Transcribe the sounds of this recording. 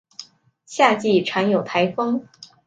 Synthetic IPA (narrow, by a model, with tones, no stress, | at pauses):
ɕja˥˧t͡ɕi˥˩ʈ͡ʂʰa˧˥njo˨˩ʊt̪ʰa˧˥ɪfɤ˥ŋ